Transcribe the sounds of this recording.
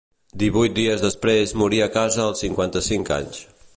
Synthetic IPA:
d̪iβujt̪̚d̪iəzðəspɾezmuɾiəkazəːlˠsiŋkwant̪əsiŋka̰ɲs

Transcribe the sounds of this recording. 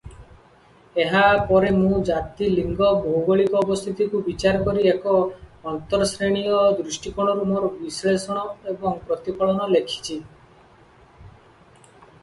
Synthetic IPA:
eɦapɔɾemũd͡ʒat̪iliŋɡɔbʱowbɔɭikɔːbɔst̪ʰit̪ikubit͡ʃaɾɔkɔɾiekɔːnt̪ɔɾɔsɾeɽ̃iɔd̪ɾusʈikɔɽ̃ɔɾumoɾɔbislesɔɽ̃ɔebɔŋpɾɔt̪ipɔɭɔnɔlekʰi̥t͡ʃʰi

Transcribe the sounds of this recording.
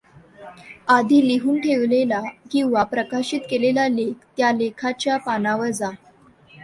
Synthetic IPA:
ad̪ʱiːliɦuːnʈʰeʋlelakĩw̃ʋapɾəkaɕiːt̪kelelalek̚ʰt̪jalekʰat͡ɕjapanaʋəɾd͡za

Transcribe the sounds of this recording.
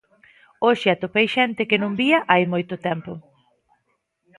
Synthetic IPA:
oʃɪat̪opejʃɛnt̪ɪkɪnũmbiɐʔajmojt̪ʊt̪ɛmpʊ

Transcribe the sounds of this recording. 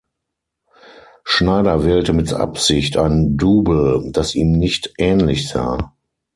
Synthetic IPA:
ʃnaɪdɐvɛːltəmɪtʔa̰pz̥ɪçta̰ɪnduːbl̩d̥asiːmnɪçtʔɛːnlɪçz̥a̰ː

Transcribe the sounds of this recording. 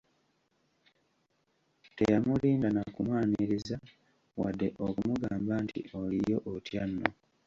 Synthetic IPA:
tejamuliːndanakumwaːniɾiza | wadːe̞ʔokumuɡaːmbantḭo̞lijo̞ʔotjanːo

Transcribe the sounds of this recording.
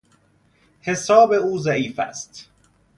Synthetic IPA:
he̞sɒːbe̞uːzæiːfæ̰st̪

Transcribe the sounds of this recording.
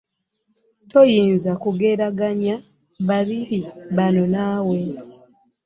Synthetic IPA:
to̞jiːnzakuɡe̞ːɾaɡaɲa | βaɾiɾiβano̞naːwe

